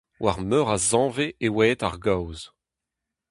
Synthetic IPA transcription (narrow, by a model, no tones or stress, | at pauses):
wʔa̰ʁmœʁazɑ̃ːveewɛːt̪a̰ʁɡawz